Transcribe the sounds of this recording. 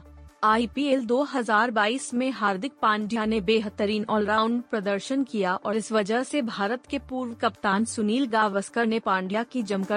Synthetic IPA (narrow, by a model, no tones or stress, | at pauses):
aːipieːld̪oːɦɐzaːɾbaːiːsmẽɦaːɾd̪ʱɪk̚pãːɳɖɪjanebeːɦət̪ːəɾiːnɔːlɾaːʊɳɖpɾɐd̪əɾʃənkijaʔɔːɾɪsʋɐd͡ʒəɦsebʱaːɾət̪kepuːɾʋkɐpt̪aːnsʊniːlɡaːʋəskəɾnepãːɳɖijakid͡ʒɐmkə